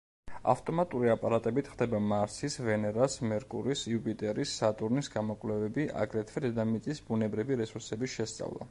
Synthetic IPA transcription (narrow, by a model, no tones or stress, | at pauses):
a̰ft̪ʼɔmat̪ʼuɾiapʼaɾat̪ʼɛbit̪ʰχd̪ɛbamaɾsisvɛnɛɾasmɛɾkʼṵɾisiupʼit̪ʼɛɾisːat̪ʼuɾnisɡamɔkʼvlɛvɛbiʔa̰ɡɾɛt̪ʰvɛd̪ɛd̪amit̪sʼisbunɛbɾiviɾɛsuɾsɛbiʃɛst̪sʼa̰vlˠa̰